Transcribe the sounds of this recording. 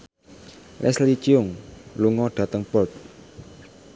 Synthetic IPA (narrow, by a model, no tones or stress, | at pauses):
lʔɛ̰slit͡ʃiʊŋluŋɔɖ̥ä̤t̪əŋpɔt̪̚